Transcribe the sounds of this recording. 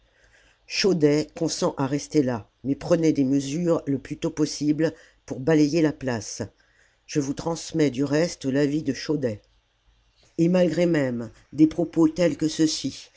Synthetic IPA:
ʃod̪ɛkɔ̃sɑ̃ʔaʁɛst̪ela | mɛpχənɛd̪eməzyʁləplyt̪opɔsibl | puʁbalɛjelaplas | ʒ̥əvut̪χɑ̃smɛd̪yʁɛst̪lavid̪əʃod̪ɛ | emalɡʁemɛm | d̪epχɔpot̪ɛlkəsəsi

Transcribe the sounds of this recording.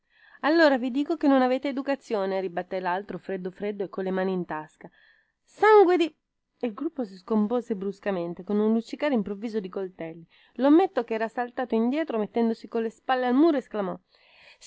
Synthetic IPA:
alːoːɾavid̪iːkokenːonaveːt̪eːd̪ukat̪sːjoːneɾibat̪ːɛlalt̪ɾofɾed̪ːofɾed̪ːoekːolːemaːniːnt̪aska | saŋɡwed̪i | elɡɾupːos̬iskompoːzebɾuskament̪ekonunlut͡ʃːikaːɾeimpɾovːiːzod̪ikolt̪ɛlːi | lomːet̪ːokɛːɾasalt̪aːt̪oind̪jɛːt̪ɾomet̪ːɛnd̪osikolːespalːealmuːɾoesklamɔ

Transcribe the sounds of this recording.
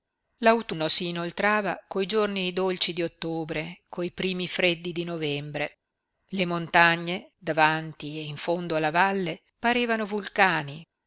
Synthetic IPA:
lawt̪unosiːnolt̪ɾaːva̰kojd͡ʒornid̪olt͡ʃid̪iot̪ːoːbɾekʰoipɾiːmifɾed̪ːid̪inovɛmbɾe | lemont̪aɲːed̪avant̪ieiɱfond̪oalːavalːe | paɾeːvanovulkaːni

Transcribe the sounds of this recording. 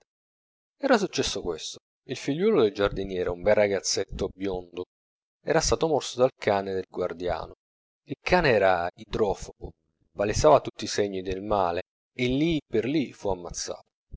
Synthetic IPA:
ɛːɾasut͡ʃːɛsːokwest̪o̥ | ilfiʎːwɔːlod̪eld͡ʒard̪injɛːɾeumbɛrːaɡat̪sːet̪ːobjond̪o | ɛːɾast̪aːt̪omɔrsod̪alkʰaːned̪elɡward̪ja̰ːno | ilkʰaːneɛːɾaid̪ɾɔːfobo | palesːaːvat̪ut̪ːiseɲːid̪elmaːleː | lːiperlifuamːat̪sːa̰ːt̪o̥

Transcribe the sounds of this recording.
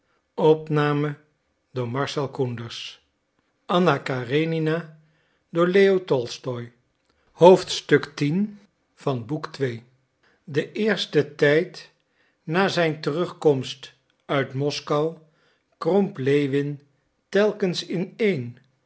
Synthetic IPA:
ɔpnaːmə | dʊːɹmɑɹsɛlˠkundəɹs | ʔɑnakarenina | dʊːɹlejotɔlˠstɔj | howftstɵktin | v̥ɑnbuktʋej | dəʔɪːɹstətɛjt | naːzɛjntərɵχkɔmst | œɥtmɔskɑw | krɔmplejʋɪn | tɛlˠkənsɪnejn

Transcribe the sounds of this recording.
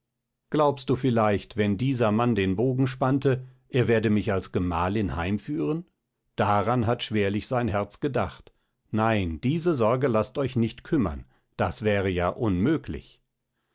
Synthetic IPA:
ɡ̥laʊpst̚d̥uːfɪlaɪçtvɛndiːzɐmandeːnboːɡŋ̩ʃpantəʔeːɐveːɐdəmɪçalsɡ̥əma̰ːlɪnhaɪmfyːʁən | d̥aʁanɦatʃv̥eːɐlɪçz̥aɪnɦɛɐt͡sɡ̥ədaχt | naɪnd̥iːzəzɔɐɡəlastɔʏçnɪçtkʰʏmɐ̰n | d̥asv̥ɛːʁəjaːʔʊnmøːklɪ̰ç

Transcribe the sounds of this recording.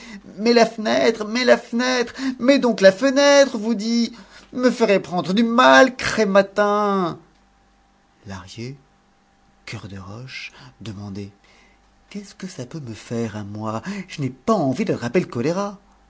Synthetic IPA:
mɛlafənɛt̪χmɛlafənɛt̪χmɛd̪ɔ̃klafənɛt̪χvud̪i | məfəʁepχɑ̃d̪ʁəd̪ymalkχɛmat̪ɛ̃ | la̰ʁje | kʲœʁd̪əʁɔ̰ʃd̪əmɑ̃d̪ɛ | kʲɛskəsapøməfɛʁamwaʒ̥ənɛpaɑ̃vid̪əlʁapɛlkɔleʁa

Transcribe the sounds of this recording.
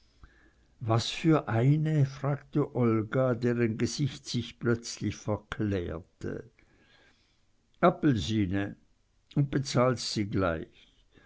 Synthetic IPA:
vasfyːɐʔaɪnəfʁ̥aːktəʔɔlɡadeːʁənɡəz̥ɪçtsɪçplœt͡slɪçfɛɐkʰlɛ̰ːɐtʰə̰ | ʔapl̩ziːnə | ʊnt̚b̥et͡saːltz̥iːɡla̰ɪç

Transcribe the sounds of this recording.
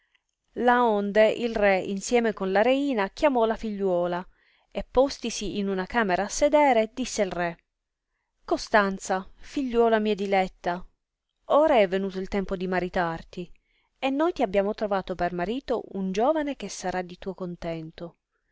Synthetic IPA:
laond̪eʔilrɛḭnsjɛːmekonlaɾeiːnak̟jamɔlafiʎːwɔːla | epːost̪isiʔːnunakaːmeɾaːsːed̪ɛːɾed̪isːeilrɛ | kost̪ant̪safiʎːwɔːlamiːad̪ilɛt̪ːa | oːɾaɛvːenuːt̪oilt̪ɛmpod̪imaɾit̪art̪i | enːojt̪iabːjaːmot̪ɾovaːt̪opermaɾiːt̪o̰und͡ʒoːvanek̟esːaɾad̪it̪uːokont̪ɛnt̪o

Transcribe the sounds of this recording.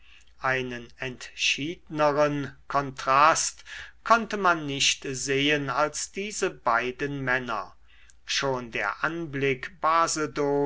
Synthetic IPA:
ʔaɪnənɛntʃiːdnəʁənkʰɔntʁ̥astkʰɔntəmanːɪʃtzeːənalsd̥iːzəbaɪdənmɛnɐ̰ | ʃoːndḛːɐʔanblɪkb̥aːzədoː

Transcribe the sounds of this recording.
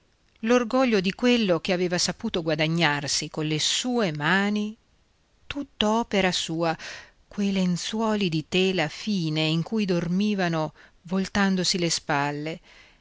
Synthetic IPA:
lorɡɔʎːod̪ikwelːok̟eaveːvasapuːt̪oɡwad̪aɲːarsikonlesuːemaːni | t̪ut̪ːoɔːpeɾasuːa | kwejlent̪swɔːlid̪it̪eːlafiːneiŋkujd̪ormiːvanovolt̪and̪osilespalːe

